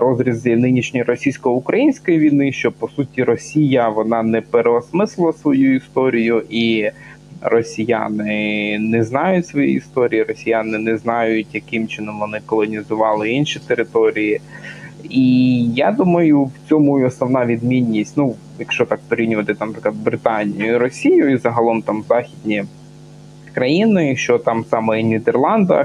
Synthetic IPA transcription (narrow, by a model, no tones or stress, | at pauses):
ɾɔzɾʲiznɪnʲiʃnʲɔjɾɔsʲijsʲkɔʊkɾɐjinʲsʲkɔjiʋʲijnɪʃt͡ʃɔpɔsutʲiɾɔsʲijɐʋɔnɑnɛpeɾeɔsmɪslˠɪlˠɐsʋɔjuist̪ɔɾʲijʊʔi | rɔsʲija̰nɪnɛznɑjʊtʲsʋɔjḭist̪ɔɾʲijiɾɔsʲijanɪnɛznɑjʊtʲjɐkɪmt͡ʃɪnɔmʋɔnɪkɔlˠɔnʲizʊʋɑlˠɪinʃit̪eɾɪt̪ɔɾʲiji | ijad̪umɐjʊwt͡sʲɔmʊɔsnɔʋnɑʋʲid̪mʲinʲːisʲtʲnu | jɐkʃt͡ʃɔt̪ɑkpɔɾʲinʲʊʋɐt̪ɪt̪ɑnɐpɾɪklˠɐd̪bɾɪt̪ɑnʲijʊiɾɔsʲijʊizɐɦɐlˠɔmt̪ɑmzɑxʲid̪ʲnʲi | kɾɐjinɪʃt͡ʃɔt̪ɑmsɑmɛinʲid̪erlˠɑnd̪ɐ̰